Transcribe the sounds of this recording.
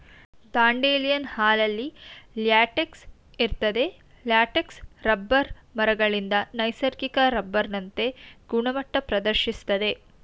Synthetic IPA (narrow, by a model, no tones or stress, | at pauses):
d̪aːɳɖeːlijɐnhaːlɐlːiljaːʈeks | iɾt̪ɐd̪e̞ | ljaːʈeksɾɐbːɐɾmɐɾɐɡɐɭind̪ɐnɐjsɐɾkikɐɾɐbːɐɾnɐnt̪e̞ɡuɳɐmɐʈːɐpɾɐd̪ɐɾʃist̪ɐd̪e̞